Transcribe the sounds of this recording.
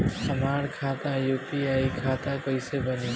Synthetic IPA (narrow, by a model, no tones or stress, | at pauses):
hɐmaːɽkʰaːt̪ãjuːpiaːikʰaːt̪ãkoisebənĩ